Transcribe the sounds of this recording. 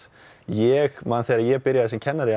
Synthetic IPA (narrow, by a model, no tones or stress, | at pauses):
jɛɣmaːnθɛɾaɾjɛɣpɪɾjaðɛsmcʰɛnːaɾɪ